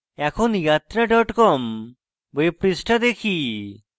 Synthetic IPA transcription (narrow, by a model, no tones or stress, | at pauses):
ɛkʰonjat̪ɾaɖɔʈkɔm | beepɾisʈʰad̪ekʰi